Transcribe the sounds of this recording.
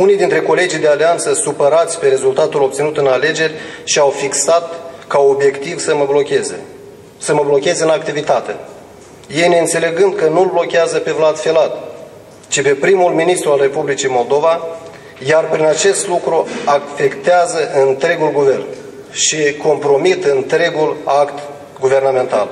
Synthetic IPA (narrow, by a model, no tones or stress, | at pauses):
unijd̪int̪ɾe̞ko̞le̞d͡ʒijd̪ealeant̪səsupəɾat̪sʲpe̞ɾe̞zult̪at̪ulo̞p̚t̪sinut̪ɨnale̞d͡ʒe̞rʲʃiawfiksat̪kao̞bje̞kt̪ivsəməblokʲez | səməblo̞kʲe̞zɨnak̚t̪ivit̪at̪e̞̰ | je̞jne̞ɨnt̪se̞le̞ɡɨnd̪̚kənulblo̞kʲeazəpe̞vlad̪felat̪̚ | t͡ʃipe̞pɾimulminist̪ɾualre̞publit͡ʃijmo̞ld̪o̞va | jarpɾinat͡ʃe̞st̪lukɾuafe̞kt̪eazəʔɨnt̪ɾe̞ɡulɡuve̞rn | ʃiko̞mpɾo̞mit̪ɨnt̪ɾe̞ɡulakt̪ | ɡuve̞rname̞nt̪al